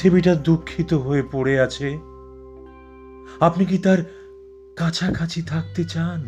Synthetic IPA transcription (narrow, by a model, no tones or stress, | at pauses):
ebiʈad̪ukʰːit̪oɦoepoɽeat͡ɕʰe | apnik̬it̪aɾ | kat͡ɕʰakʰat͡ɕʰit̪ʰak̚t̪et͡ɕan